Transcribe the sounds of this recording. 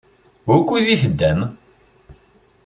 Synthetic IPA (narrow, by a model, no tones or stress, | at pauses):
kːuðiθəd̪ːæm